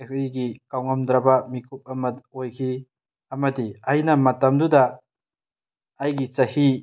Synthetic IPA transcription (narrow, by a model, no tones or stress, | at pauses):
eksijɡikawŋamdɾabɐmikʰup̚ɐmɐt̚ojkʰi | ɐmɐdiajnɐmɐtɐmdudɐ | jɡit͡ʃɐhi